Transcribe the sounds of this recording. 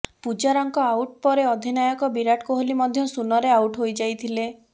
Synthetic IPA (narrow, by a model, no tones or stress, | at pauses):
pud͡ʒaɾɔŋkɔawʈ̚pɔɾeɔd̪ʱinajɔkɔbiɾaʈkoɦolimɔd̪ʱjɔsunɔɾeawʈɦojd͡ʒajt̪ʰile